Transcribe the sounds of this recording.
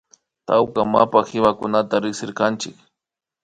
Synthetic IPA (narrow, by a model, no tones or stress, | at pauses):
t̪awkama̰paxɪwakʊnat̪aɾɪksɪɾkant͡ʃɪk